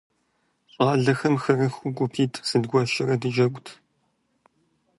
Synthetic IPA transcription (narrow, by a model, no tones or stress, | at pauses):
ɕʼɑːɮɐxɐmxɨrɨxʷuɡʷʊpʰiːtʰʼsɨdɡʷɔʃɪrɐdɨd͡ʒɐkʷʼʊtʰ